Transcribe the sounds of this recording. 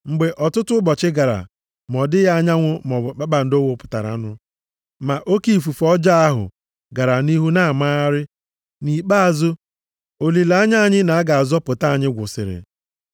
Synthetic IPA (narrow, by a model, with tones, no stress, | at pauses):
ŋ͡m̩˨ɡ͡be˨ʔɔ˨tʊ˦tʊ˦bɔ˨t͡ʃɪ˦ɡa˨ɾa̰˨ | mɔ˨dɪ˦ja˦a˦ɲa˦ŋʷʊ˦mɔ˨k͡pa˦k͡pa˨n̩˨do˦wo˨pʊ̥˨ta̰˨ɾa̰˨˦nʊ˦ | ma˨ʔo˦ki˦˨fu˨fɔ˦d͡ʒa˦a˦ɦʊ̰˨ | ɡa˨ɾa˨ni˦ɦu˦na˦˨ma˦a˦ɾɪ˦ | ni˨k͡pa˦a˨zʊ˦ | o˨li˨la˦ɲa˦a˦˨ɲɪ˦na˨a˦ɡa˨a˨zɔ˦pʊ˨ta˦a˨ɲɪ˦ɡʷʊ̰˨sɪ̰˨ɾɪ̰˨